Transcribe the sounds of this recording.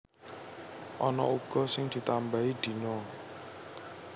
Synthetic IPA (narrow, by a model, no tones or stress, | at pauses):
ɔnɔ̰uɡ̥ɔsɪŋd̪̥i̤t̪ambaid̪̥i̤nɔ